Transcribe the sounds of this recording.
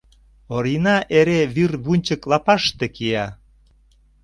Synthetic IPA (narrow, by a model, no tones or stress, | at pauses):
oɾinɑʔeɾeβyrβunʲt͡ɕəklɑpɑʃt̪ekiɑ